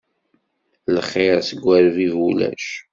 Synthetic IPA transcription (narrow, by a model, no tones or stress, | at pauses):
ləχːɪʁsəɡʷːæɾvivulæ̰ʃ